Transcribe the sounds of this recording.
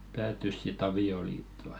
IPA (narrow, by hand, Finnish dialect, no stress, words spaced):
pæːtːys sit ɑʋioliːtːo̥